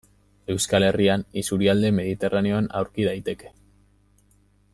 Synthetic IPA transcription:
e̞wskale̞rianisuɾiald̪e̞me̞ð̞it̪e̞raneo̞ana̰wɾkið̞ajt̪e̞ke̞̥

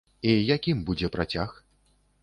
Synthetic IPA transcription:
ijakʲimbud͡zʲɛpɾat͡sʲax

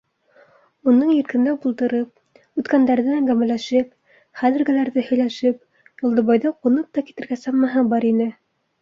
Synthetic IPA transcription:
unɤɴjɘ̆ɾkɘ̆nd̪æbulˠt̪ɤ̆ɾɤp̚ | ʉt̪kænd̪æɾðɘæŋɡæmælæʃɘp̚ | χæðɘ̆ɾɡɘ̆læɾðɘhɵ̆jlæʃɘp̚ | julˠd̪ɤ̆βɑjðɤqunɤp̚t̪ɑki̥t̪ɘ̆ɾɡæsɑmmɑɦɤbɑɾinɘ

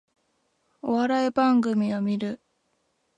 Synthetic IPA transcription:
o̞βaɾaebãŋɡɯ̟mʲiomʲiɾɯ̟

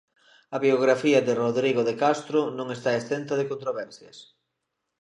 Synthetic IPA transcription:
ɐβioɣ̞ɾafiɐðeroðɾiɣoðekast̪ɾonõŋest̪aest̪ent̪ɐðekont̪ɾoβ̞ɛɾθjɐs

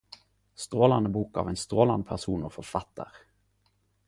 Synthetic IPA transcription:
st̪ʁoːlɑnəbuːkɑ̰ːʋɛnst̪ʁoːlɑnpʰæʁsuːnofɔɾfɑt̪ʰːə̰ʁ

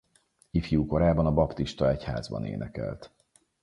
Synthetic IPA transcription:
ifjuːko̞ɾaːbɒnɒbɒpt̪iʃt̪ɒɛcha̰ːzbɒ̰nḛːnɛkɛ̰lt̪

